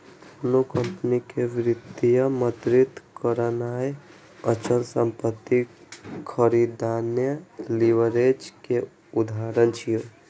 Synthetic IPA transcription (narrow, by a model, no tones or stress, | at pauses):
ənukə̃mpnikeʋɾɪd̪ijəmət̪ɾɪt̪kəɾənaːj | ət͡ʃənsəmpət̪ːikʰəɾid̪aːnjəliʋəɾed͡ʒke | ud̪ʱaːɾənt͡ʃʰijo